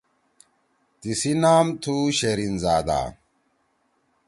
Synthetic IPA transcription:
t̪isinaːmt̪ʰuːɕeɾinzaːd̪a̰ː

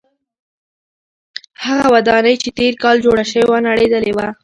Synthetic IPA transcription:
haɣawad̪ɑnəjt͡ʃet̪eɾkɑld͡ʒoɽaʃəwewanaɽed̪əlewa

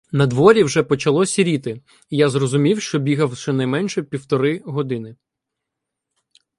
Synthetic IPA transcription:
nɐd̪ʋɔɾʲiwʒɛpɔt͡ʃɐlˠɔsʲɐɾʲit̪ɪ | jazrɔzʊmʲiwʃt͡ʃɔbʲiɦɐwʃɛnɐjmɛnʃɛpʲiwt̪ɔɾɪɦɔd̪ɪnɪ

